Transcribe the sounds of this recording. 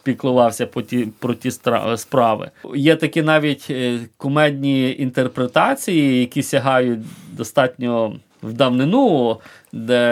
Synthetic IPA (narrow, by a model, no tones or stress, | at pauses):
pʲiklˠʊʋɑwsʲɐpɔtʲipɾɔtʲist̪ɑ̰spɾɑʋɪ̰jɛt̪ɐkʲinɑʋʲitʲkʊmɛd̪ʲnʲiint̪erpɾet̪ɑt͡sʲijijɐkʲisʲɐɦɑjʊt̚ʲd̪ɔst̪ɑtʲnʲɔ | wd̪ɐwnɪnu | d̪ɛ